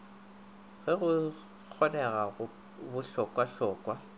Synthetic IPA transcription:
ɣɛɣʊ | k͡xʰɔnɛɣaɣʊ | bʊɬɔkʼwaɬɔːkʼwa

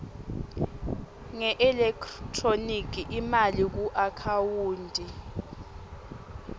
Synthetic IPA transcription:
ŋɛʔɛlɛkʰtʰʼronik̬ʰʼiʔimalik̬uʔakʰawuːndʱi

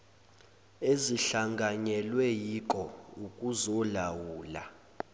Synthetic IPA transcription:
eziɬaŋɡʱaɲɛlwɛjikʼɔukʼuzɔlawuːla̰

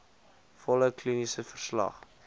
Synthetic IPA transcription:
fɔləklinisəfərslɐ̰χ

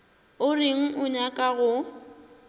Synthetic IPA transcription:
ʊrɪŋ̩ʔʊɲakʼaɣʊ

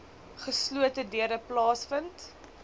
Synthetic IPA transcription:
χəsluətədiəɾəplɑːsfənt

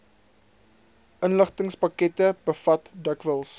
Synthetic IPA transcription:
ʔənləχtəŋspɐkɛtəb̥əfɐtdəkvəlˠs

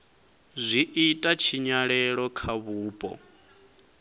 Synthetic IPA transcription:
zʷiʔitʼat͡ʃʰiɲaɺɛɺɔkʰaβuːpʼɔ̰

